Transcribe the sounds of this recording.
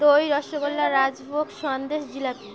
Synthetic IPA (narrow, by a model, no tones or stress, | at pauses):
ojɾɔʃoɡolːaɾad͡ʑbʱokʃɔnd̪eʃd͡ʑilak